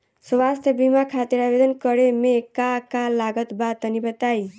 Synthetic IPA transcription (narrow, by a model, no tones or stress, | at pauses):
sʋast̪ʰjəbimakʰat̪iɾabed̪ənkəɾemekakalaɡət̪bad̪̚ənibət̪ai